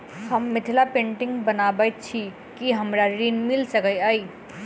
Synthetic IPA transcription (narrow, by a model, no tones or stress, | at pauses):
həmːɪt̪ʰlapẽːɳʈɪ̃ŋɡbənabət͡ʃʰi | kiɦəmɾaɾiːnmɪlsəkəjaːi